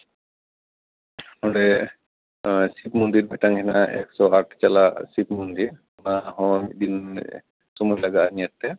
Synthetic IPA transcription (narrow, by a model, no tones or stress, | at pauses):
hɔɽɛ | sipmɔnd̪iɾbɛʈaŋkʰɛna̰ɛ̰ksɔaʈʰt͡ʃalasipmɔnd̪iɾ | naɦɔ̃d̪in | sɔmɔjlaɡaanijat̪ːɛ